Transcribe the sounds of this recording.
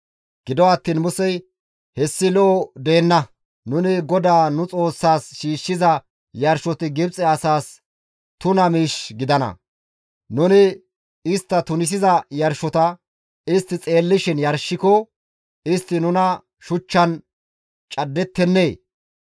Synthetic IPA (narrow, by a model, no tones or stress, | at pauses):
ɡ̥ɪd̪ɔɐt̪ːiːnmʊsɛj | hɛsːɪlɔʔɔd̪e̞ːnːɐ | nʊnɪɡɔd̪aːnʊt͡sʼo̞ːsːaːsʃiːʃːɪzɐ | jɐɾʃɔt̪ɪɡɪbt͡sʼɛɐsaːs | t̪ʊnɐmiːʃɡɪd̪ɐnɐ̰ | nʊnɪ | ɪst̪ːɐt̪ʊnɪs̬ɪzɐjɐɾʃɔt̪ɐ | ɪst̪ːɪt͡sʼe̞ːlːɪʃɪnjɐɾʃːɪkɔ | ɪst̪ːɪnʊnɐ | ʃʊt͡ʃːɐn | t͡ʃʼɐd̪ːɛt̪ːɛnːeː